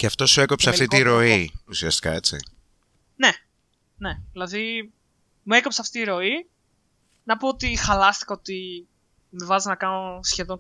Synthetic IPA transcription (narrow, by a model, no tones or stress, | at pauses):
ceɐft̪o̞sue̞kopseɐft̪it̪iɾo̞iusiɐst̪i̥kɐ̰e̞t͡sḭ | ne̞ | neðilɐði | muekopseɐft̪iːɾo̞i | nɐpoot̪ixɐlɐst̪i̥kɐo̞t̪i | mevɐznɐkɐnosçe̞ðoŋ